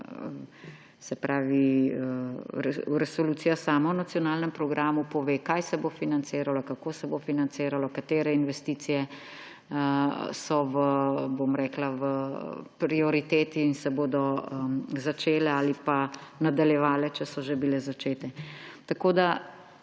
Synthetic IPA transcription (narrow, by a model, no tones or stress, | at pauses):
sɛpɾʔaːʋi | ɾɛɾɛsɔluːsijasaːmawnat̪sijɔnaːlnɛmpɾɔɡɾʔaːmupɔʋeːkajsɛbofinant̪seːɾalɔkakoːsɛbofinant̪seːɾalɔkat̪eːɾɛinʋɛst̪iːt̪sijɛ | sɔʋəbomɾɛːklaʋəpɾiɔɾit̪eːt̪iːnsɛboːd̪ɔəzat͡ʃeːlɛaːlipanad̪aljɛʋaːlɛt͡ʃɛsɔʒebilɛzat͡ʃeːt̪ɛt̪akoːd̪a